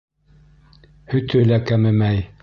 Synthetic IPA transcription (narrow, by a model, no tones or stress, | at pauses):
hɵ̆t̪ʰɵlækæmɘmæj